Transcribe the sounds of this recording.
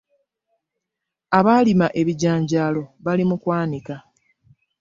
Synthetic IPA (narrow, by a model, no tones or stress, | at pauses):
aβaːlimaʔe̞βiɟaːɲɟaːlo̞βalimukwaːnika